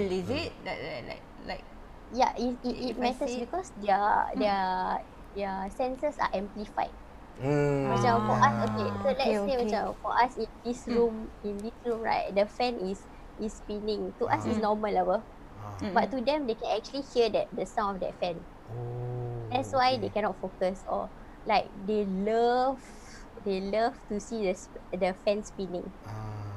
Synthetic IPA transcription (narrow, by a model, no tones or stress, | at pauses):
izit̚dɛlla̰ɪk̚ | laɪk̚ | ja̰ʔiiit̚mɛtəsbikɔsdɛədɛə | dɛəsɛ̃nsəsa̰ʔɛ̃mplifa̰ɪt̚ | mat͡ʃafɔʔasokesolɛtsewɛt͡ʃafɔʔasĩndisɹũmĩndisɹũmɹa̰ɪt̚dəfɛ̃nʔis | ispinĩŋtuʔasisnɔməlabə | batːudɛ̃mdekɛ̃nɛk̚t͡ʃuəlihiədɛt̚dəsãmɔfdɛ̰t̚fɛ̃n | dɛtswajdekɛnɔt̚fokəsɔ̰ | laɪk̚deləv | deləv̥tusidəsdəfɛ̃nspinĩŋ